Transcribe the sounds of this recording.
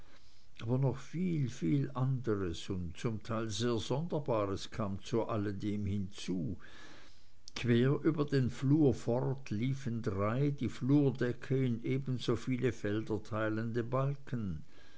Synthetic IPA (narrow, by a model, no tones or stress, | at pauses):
ʔaːbɐnɔχfiːlfiːlʔandəʁəsʊntt͡sʊmtʰaɪlzeːɐzɔndɐbaːʁəskʰaːmt͡suʔalədeːmhɪnt͡suː | kʰv̥eːɐʔyːbɐdeːnfluːɐfɔʁtliːfəndʁaɪdiːfluːɐdɛkʰəɪnʔeːbən̩zoːfiːləfɛldɐtʰaɪləndəbalkʰən